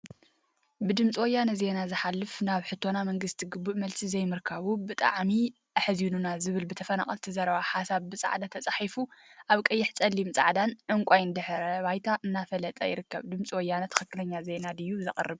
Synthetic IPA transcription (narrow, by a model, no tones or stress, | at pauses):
bɨd̪ɨmt͡sʼiwɔjːanɐze̞nazɨħalːɨfnaβħɨt̪ʰːo̞namɐŋɡɨst̪ʰiɡɨbːuʔmɐlsʼizɐjmɨɾkʰaβubɨt̪ʼa̰ʕmi | ʔɨħɨzinunazɨβɨlbɨt̪ʰɐfɐna̰χʼɐlt̪ʰizɐɾβaħasaβbɨt͡sʼa̰ʕd̪at̪ʰɐt͡sʼaħifuʔaβkʼɐjːɪħt͡sʼɐlːimt͡sʼa̰ʕd̪anʕɨŋkʷʼajnd̪ɨħɾɐβajt̪ʰaʔɨnːafɐlɐt̪ʼɐ̰jɪ̰ɾɨkːɐ̰βd̪ɨmt͡sʼiwɔjːanɐt̪ʰɐ̥xɨkːɨlɐɲːaze̞nad̪ɨjːuzɨχʼɐ̰rːɨβ